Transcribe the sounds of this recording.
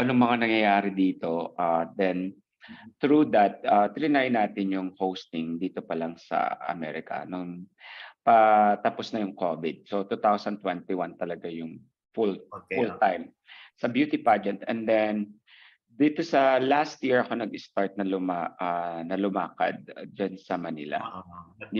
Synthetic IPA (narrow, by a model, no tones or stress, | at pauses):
ɐnoŋmɐŋanɐŋjɐjaːɾɪd̪iːt̪o̞ʔad̪ɛn | t̪ɾud̪ɐt̪̚ʔat̪ɪɾɪnajɪnaːt̪ɪnjʊŋhowst̪ɪŋd̪iːt̪o̞pɐlɐŋsɐ̰ɐ̰mɛːɾɪkɐ̰nʊŋ | pɐt̪ɐposnɐjʊŋko̞̰vɪd̪̚sot̪ut̪awsɐnt̪wɛnt̪ɪwant̪ɐlɐɡajʊŋ | fulfult̪ajm | sɐbjuːt̪ɪpad͡ʒɛnt̪ɛnd̪ɛn | d̪iːt̪o̞sɐlast̪̚jiɹɐko̞nɐɡɪst̪aɹt̪̚nɐlʊmaʔanɐlʊma̰ːkɐ̰d̪̚d͡ʒansɐmɐnḭlɐ̰